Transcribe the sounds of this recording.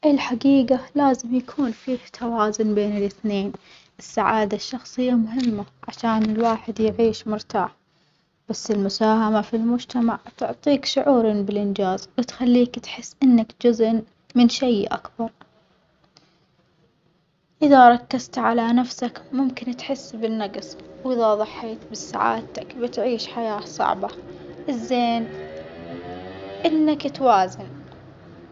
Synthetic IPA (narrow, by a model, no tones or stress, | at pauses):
ʔɪlħaɡiːɡalaːzɪmjakʰuːnfiːht̪ʰawaːzʊnbeːnɪlɪθneːn | ʔɪsːaʕaːd̪aʃːɑxsˤɨjːamʊɦɪmːaʕaʃaːnɪlwaːħɪd̪jɪʕiːʃmʊɾt̪a̰ːħ | b̥asːɪlmʊsaːhamafilmʊd͡ʒt̪amaʕt̪ʊʕt̪ˤiːkʃʊʕuːɾnbɪlʔɪnd͡ʒaːzwɪt̪xalːiːkt̪ħɪsːʔɪnːakd͡ʒʊzʔn | mɪnʃajʔa̰kbɑɾˤ | ʔɪðaɾˤɑkːazt̪ʕalanafsakmʊmkɪnt̪ħɪsːbɪnːaɡsˤwʔɪðaðˤɑħːeːt̪bɪsa̰ʕa̰ːd̪t̪akbɪt̪ʕiːʃħajaːsˤɑ̰ʕbaʔɪzːeːn | ʔɪnːakt̪waːzɪn